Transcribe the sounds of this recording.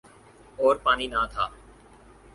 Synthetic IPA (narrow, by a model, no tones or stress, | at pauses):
oːɾpaːniːnãːt̪ʰa̰ː